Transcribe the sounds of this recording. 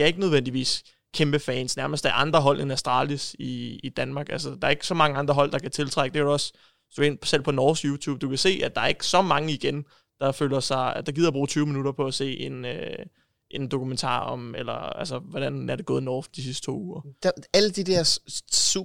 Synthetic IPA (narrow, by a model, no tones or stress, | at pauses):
deæɐe̝ɡ̥ənøð̞ˠʋen̰d̥iʋḭːs | kʰemb̥əfɛːnsnæɐməsd̥æɐʔɑ̈nd̥ʁɐɦɒ̽l̰ʔenæsd̥ʁɑ̰̈ːlisiid̥ænmɑ̈ːɡ̥ælsəd̥ɑ̈ːɐe̝ɡ̥sɒ̽mɑ̈ŋəɑ̈nd̥ʁɐɦɒ̽l̰d̥ɑ̈kʰæt͡sʰe̝lt͡sʰʁaɡ̥əd̥ekʰæɾuɒ̽s | d̥uen̰ʰsel̰pʰɒ̽nɒːsɡ̥juːt͡sʰṵːb̚d̥ukʰæse̝̰ːʔæd̥ɑ̈æɐe̝ɡ̥sɒ̽mɑ̈ŋəiɡ̥en | d̥ɑ̈føːlɐsɑ̈ɪd̥ɑ̈ɡ̥ið̰ˠɐb̥ʁṵːt͡sʰyːʊminuɾ̥ɐpʰɒ̽æse̝̰ːʔe̝nø | ʔe̝nd̥o̝kʰument͡sʰɑ̰̈ːɒ̽melɐælsəʋɒɾ̥ænæɐde̝ɡ̥ɔ̽ːð̩ˠnɒːfd̥isisd̥ə̥t͡sʰo̝̰ːuːɐd̥æləd̥id̥ɛɐsu